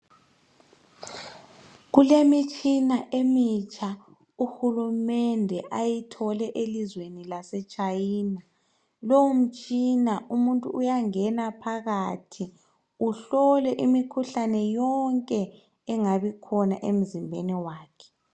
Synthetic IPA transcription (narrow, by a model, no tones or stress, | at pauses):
ɣulemit͡ʃʼinaʔemit͡ʃʼʰa | uxulumɛndʱɛʔajitʰɔlɛʔelizwenilasɛt͡ʃʼajiːna | lowum̩t͡ʃʼinaumuntʼuːjaŋɛnapʰaɣatʰi | uɬɔlɛʔimikʰuɬanɛjɔŋkʼɛː | ŋaβikʰɔnaʔem̩zimbʱeniwaːkʰɛ̥